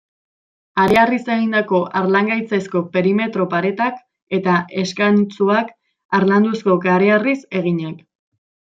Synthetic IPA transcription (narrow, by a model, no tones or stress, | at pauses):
aɾearise̞ɣind̪ako̞ʔaɾlaŋɡajt͡sasko̞pe̞ɾime̞t̪ɾo̞paɾe̞t̪ak | e̞t̪aʔe̞skant͡suak | aɾland̪usko̞kaɾearise̞ɣ̞iɲak